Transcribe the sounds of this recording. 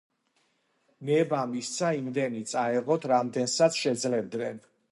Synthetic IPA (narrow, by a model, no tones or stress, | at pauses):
mɛbamist̪sʰaimd̪ɛnit̪sʼaɛʁɔt̪ʰɾamd̪ɛnsat̪sʰʃɛd̪zlɛbd̪nɛn